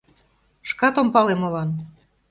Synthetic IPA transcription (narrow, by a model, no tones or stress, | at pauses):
ʃkɑt̪ompɑlemolɑn